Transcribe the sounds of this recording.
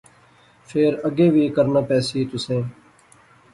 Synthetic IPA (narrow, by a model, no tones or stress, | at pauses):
fʰeːɾəɡeːʋiːkəɾnãːpɛːsiːt̪ʊsẽː